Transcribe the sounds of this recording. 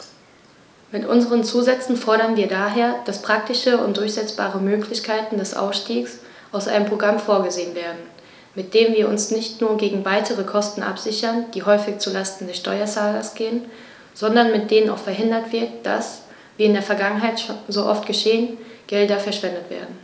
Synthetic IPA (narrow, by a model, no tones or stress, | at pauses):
mɪtʔʊ̰nzəʁ̞ənt͡suːzɛt͡sn̩fɔɐɾɐnviːɐdaːɦeːɐd̥aspʁ̥ak̚tɪʃəʊ̰ntd̥ʊɐçz̥ɛt͡sb̥aːʁəmøːkʰlɪçkʰaɪtn̩dɛsʔa̰ʊsʃtiːks | ʔaʊsʔa̰ɪnəmpʁ̥oɡʁamfoːɐɡəzeːənveːɐdn̩ | mɪt̚d̥eːənviːɐʔʊnsnɪçtnuːɐɡeːɡŋ̩vaɪtʰəʁəkʰɔstn̩ʔa̰pz̥ɪçɐnd̥iːɦɔʏfɪçt͡sulastn̩dɛsʃtɔʏɐt͡saːlɐsɡ̥eːən | z̥ɔndɐnmɪt̚d̥eːnəna̰ʊfɛɐɦɪndɐtv̥ɪɐtd̥a̰s | viːɪndeːɐfɛɐɡaŋənɦaɪtʃozoʔɔftɡ̥əʃeːənɡ̥ɛldɐfɛɐʃv̥ɛndətv̥ḛːɐdn̩